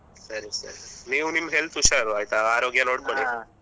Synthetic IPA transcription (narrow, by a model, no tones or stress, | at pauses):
səɾisə̰ɾneunimɦelt̪uɕəɾajt̪aaɾoɡjanoɽməɽe